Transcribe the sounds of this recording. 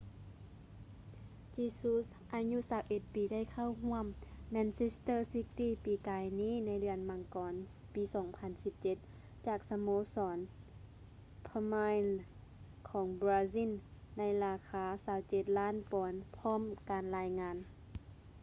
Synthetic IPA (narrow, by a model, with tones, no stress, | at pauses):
t͡ɕiː˧su˧˦˥s | ʔaː˨˧ɲu˧˥saː˨˦wʔe˧˩t̪̚piː˨˦da˥˩˨jkʰa˥˩˨wɦu˧˥˩əmːɛː˧˥nse˧˥st̪ɤː˧˥˨si˧˦˥k̚t̪iː˥˩˨piː˨˩kaː˨jniː˧˥˨na˧˥jdɯ˨˩ənma˧˦ŋkɔː˨˦n | piː˨˦sɔː˩˦ŋpʰa˧˥nsi˧˥p̚t͡ɕe˧˦t̪̚ | t͡ɕaː˨˩k̚sa˧moː˧˥sɔː˩˨˦n | pʰa˧maː˧jl | kʰɔː˩˦ŋbaː˧si˧˥˨nːa˧˥jlaː˧kʰaː˧˦saː˨˦wt͡ɕe˧˦t̪̚laː˥˨npɔː˨˦npʰɔː˧˥˨mkaː˨nlaː˧jŋaː˧˥n